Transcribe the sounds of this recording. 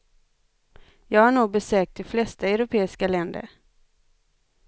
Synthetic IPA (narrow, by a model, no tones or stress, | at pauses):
jɑːɡhaɳuːɡ̚bɛsøːk̚t̪ʰːɪlflɛst̪aɛwɾʊpʰeːɪskalɛnd̪ə̰ɾ